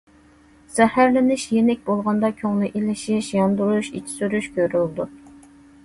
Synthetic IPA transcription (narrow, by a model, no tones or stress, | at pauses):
z̥ɛhæɾlɪnɪʃjenɛk̚ʲbolˠʁɑnd̪ɑkʲʰøŋlˠɨʔilɪʃiʃjɑnd̪uɾuʃḭt͡ʃʰi̥syɾyʃkʲøɾyld̪u